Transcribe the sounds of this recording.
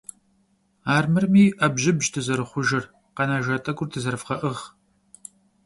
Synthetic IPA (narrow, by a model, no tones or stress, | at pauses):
aːrmɨrmiːʔɐbʒɪbʒtʰɨzɐɾɨχʷʊʒɪr | qɐnaʒɐtʼɐɡʷʊrtʰɨzɐɾfqɐʔɨʁ